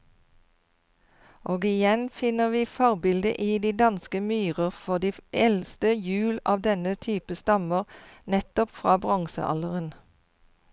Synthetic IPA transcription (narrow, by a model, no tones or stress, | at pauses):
ʔoːɡɪjɛnfɪnəʁʋiːfɔʁbɪld̪ə̰ʔiːd̪iːd̪ɑnskəmyːʁəʁfɔʁd̪iːɛlst̪əjʉːlɑ̰ːʋd̪ɛnət̪ʰyːpəst̪ɑməʁnɛt̪ɔpfʁɑːbʁɑŋsə̰ʔɑ̰ləʁən